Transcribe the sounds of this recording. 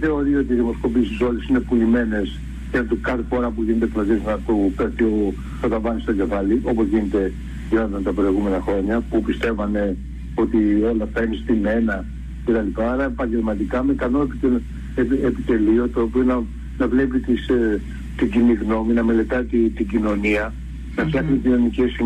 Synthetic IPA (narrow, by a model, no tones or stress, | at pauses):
θe̞o̞ɾio̞t̪iðimo̞sko̞piest̪iso̞lisine̞pulime̞ne̞s | ʝɐt̪ukɐɾpoɾɐp̬uʝinet̪et̪loʝeznɐt̪opeɾt̪io | t̪ot̪ɐvɐnist̪o̞ɟe̞vɐliʔo̞po̞zʝinet̪e̞ | ʝinot̪ɐnt̪ɐpɾo̞iɣume̞nɐxɾo̞ɲɐpupist̪e̞vɐne̞ | o̞t̪io̞lɐft̪ɐinist̪ime̞nɐ | ce̞t̪ɐlipɐːɾɐepɐɲɟe̞lmɐt̪ikɐmekɐnoepit̪e | eepit̪e̞lio̞t̪oːpionɐ | nɐvlepit̪is | t̪iɟiniɣno̞minɐme̞le̞t̪ɐt̪it̪iɟino̞niɐ | nɐfcçɐksic̪inonicesi